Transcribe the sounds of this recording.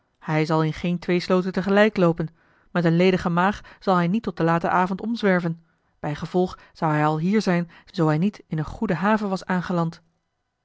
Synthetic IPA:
hɛjzɑlˠɪnχejntʋejslowtəntəχəlɛjklowpən | mɛtənlejdəχəmaːχz̥ɑlˠɦɛjnitɔt̚d̥əlaːtə̰ʔaːvɔntɔmzʋɛɹvən | b̥ɛjχəvɔlˠχ | z̥ɑwɦɛjɑlˠɦiːɹzɛjnzowɦɛjnitɪnənχudəɦaːvəʋɑsaːnχəlɑnt

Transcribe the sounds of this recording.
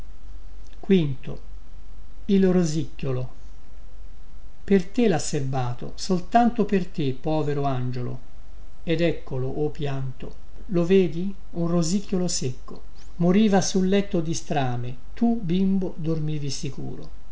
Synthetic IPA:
kwint̪o̰ | ilrozicːolo | pert̪elasːerbaːt̪o̰solt̪ant̪opert̪epːɔːveɾoand͡ʒolo̰ | ed̪ɛkːoloʔːpːjant̪o̰ | loveːd̪i | unrozicːjolosekːo̰ | moɾiːvasulːɛt̪ːod̪ist̪ɾaːme | t̪ubimbod̪ormiːvisikṵːɾo̰

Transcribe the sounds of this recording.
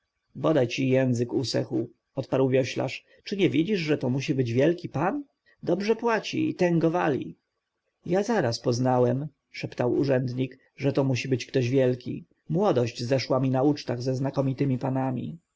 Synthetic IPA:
bɔd̪ajt͡ɕijɛ̃ñzɘkusɛxu | ɔt̪paɾwvʲjɔɕla̰ʂ | t͡ʂɘɲɛvʲid͡ʑiʐʐɛt̪ɔmuɕ̬ibɘd͡ʑvʲjɛlkʲipan | d̪ɔbʐɛpwat͡ɕḭḭt̪ɛŋɡɔvalʲḭ | jazaɾaspɔznawɛm | ʂɛpt̪awuʐɛnd̪ɲik | ʐɛt̪ɔmuɕibɘt͡ɕkt̪ɔʑvʲjɛlkʲḭ | mwɔd̪ɔʑd͡ʑzɛʂwamʲinaut͡ʂt̪aɣzɛznakɔmʲit̪ɘmʲipanamʲḭ

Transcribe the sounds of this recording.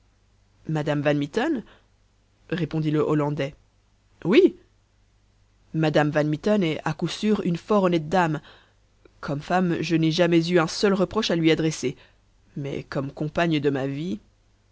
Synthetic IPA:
mad̪amvanmit̪ɔn | ʁepɔ̃d̪iləʔɔlɑ̃d̪ɛ | wi | mad̪amvanmit̪ɔnɛakusyʁynfɔʁɔnɛt̪̚d̪am | kʰɔmfamʒənɛʒamɛzyɛ̃sœlʁəpχɔʃalɥiad̪ʁɛse | mɛ̰kɔmkɔ̃paɲəd̪əmavi

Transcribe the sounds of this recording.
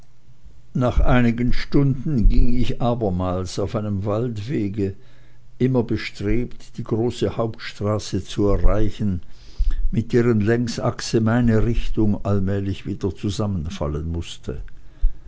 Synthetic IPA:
naːχʔaɪnɪɡənʃtʊndn̩ɡɪŋɪçʔaːbɐmaːlsaʊfaɪnəmvaltv̥eːɡə | ʔɪmɐbəʃtʁ̥eːptd̥iːɡʁoːsəhaʊp̚tʃtʁ̥aːsət͡suɛɐʁaɪçn̩ | mɪt̚d̥eːʁənlɛŋstʔa̰ksəmaɪnəʁɪçtʊŋʔalmɛːlɪçv̥iːdɐt͡suzamənfa̰lənmʊstʰə̰

